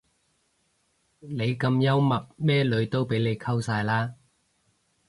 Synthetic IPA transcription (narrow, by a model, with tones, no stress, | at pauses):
ne˨˧jkɐ˧mjɐ˥wmɐ˨p̚mɛː˥lɵ˨˥ɥt̪o˥wpe˨˥jle˨˧jkʰɐ˥wsaː˧jlaː˥